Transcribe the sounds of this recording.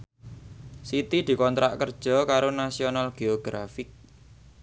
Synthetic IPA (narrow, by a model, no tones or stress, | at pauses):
sit̪id̪̥i̤kɔnt̪ɾa̰ʔkərd̥ʒ̥ɔ̤kaɾonasionalɡ̥eoɡ̥ɾafɪk̚